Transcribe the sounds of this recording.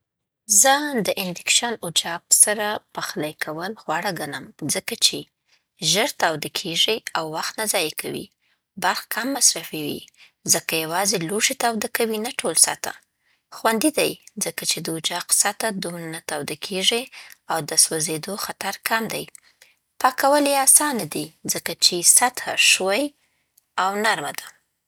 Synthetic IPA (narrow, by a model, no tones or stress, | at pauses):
zəd̪əʔɪnd̪ɪkʃanʊd͡ʒɑbsaɾapaxlajkʰawəlɣwɑɽaɡanəmzəkat͡ʃe | ʒəɾt̪awd̪akʰeʒiawːaxt̪nazɑjekʰawḭ | baɾxkamːasɾafiwḭ | zəkajawɑzeluʂet̪awd̪akawinaʈʰolsa̰t̪a̰ | xwand̪id̪ajzəkat͡ʃed̪əʊd͡ʒaqsat̪ad̪umɾanat̪awd̪akʰeʒiawd̪əswazed̪oxat̪aɾkʰamd̪aj | pɑkawəleɑsɑnad̪izəkat͡ʃesat̪ʰaʃwaj | awnaɾmad̪a